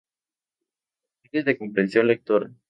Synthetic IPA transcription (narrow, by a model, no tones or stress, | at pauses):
id̪ezðekompɾensjonlek̚t̪oɾa